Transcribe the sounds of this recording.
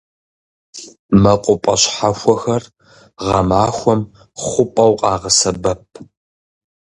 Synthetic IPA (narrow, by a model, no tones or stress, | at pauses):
mɐqʷʼʊpʼɐ̰ɕħaxʷɔxɐr | ʁɐmaːxʷɔm | χʷʊpʼɐwqʼɑːʁɐsɐbɐp̚ʰ